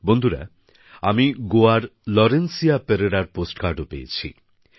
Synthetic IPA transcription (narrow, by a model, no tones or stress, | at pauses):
bond̪ʱuɾa̰ | amiɡoaɾlɔɾensijapeɾeɾaɾposʈkaɾɖopejḛt͡ɕʰḭ